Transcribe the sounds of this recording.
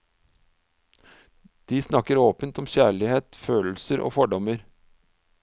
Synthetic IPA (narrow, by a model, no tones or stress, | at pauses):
d̪̥iːsnɑkəɾoːpənt̪ɔmçæːɭɪheːt̪føːll̩səɾʔo̰ːfɔɖɔməɾ